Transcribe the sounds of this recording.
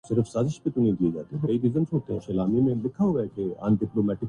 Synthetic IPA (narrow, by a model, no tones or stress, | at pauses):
sɪɾəfsaːzɪʃpet̪ʊnẽɡ̪ied͡ʒa̰ːt̪eɦɛ̃bɐɾɐid̪ɪzəmsoːt̪eɦɛ̃ʃɐlaːmimẽlɪkʰːaɦuakea̰nɖɪploːmɛːʈɪk